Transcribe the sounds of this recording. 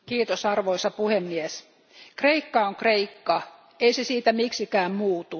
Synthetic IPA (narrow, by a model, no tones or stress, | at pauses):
kiːt̪osɑrʋoisɑpuhemːies | kreikːɑoŋkreikːɑ | eisesiːt̪æmiksikæːmmuːt̪u